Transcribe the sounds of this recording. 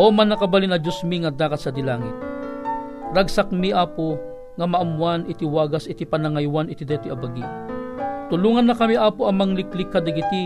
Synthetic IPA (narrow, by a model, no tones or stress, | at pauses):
ʔomɐnːɐkɐbalinɐd͡ʒʊsmiŋɐd̪aːkɐt̪sɐd̪ɪlaːŋɪt̪̚ | ɾɐɡsak̚miʔaːpo | ŋɐmɐʔɐmwanɪt̪iwaːɡɐsʔɪt̪ipɐnɐŋajwanɪt̪id̪ɛːt̪ɪʔɐbɐɡi | t̪ʊluːŋɐnːɐkɐmiʔaːpoʔɐŋmɐŋlɪklɪkːɐd̪ɐɡɪt̪i